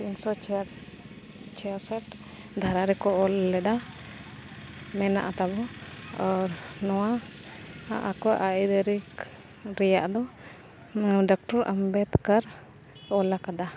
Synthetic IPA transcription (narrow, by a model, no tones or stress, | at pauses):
insɔt͡ʃ | t͡ʃɛasɛʈ | d̪ʱaɾaɾɛkɔʔɔlːɛd̪a | mɛna̰ʔat̪abɔɔɾnɔwa | a̰ʔakɔʔaid̪ɛɾik | ɾɛjaʔd̪ɔ | ɖɔk̚ʈɔɾʔa̰mbɛt̪kaɾ | ɔlakad̪a